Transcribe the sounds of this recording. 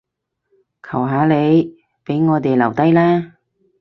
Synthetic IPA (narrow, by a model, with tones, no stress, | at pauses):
kʰɐ˨˩wɦaː˨˧le˨˧j | pe˨˥jŋɔː˨˧t̪e˨jlɐ˨˩wt̪ɐ˥jlɛː˥